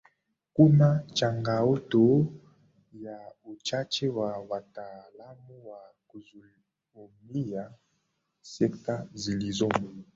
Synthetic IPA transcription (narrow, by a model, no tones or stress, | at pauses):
kunat͡ʃaŋɡaoto | jaot͡ʃat͡ʃewawatalamuwakuz | omija | sɛktazilizom